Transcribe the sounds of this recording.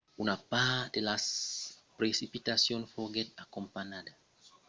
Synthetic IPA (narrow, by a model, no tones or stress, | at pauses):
unapad̥̪elaspɾesipit̪asjõnfoɡɛt̪akompaɲad̪a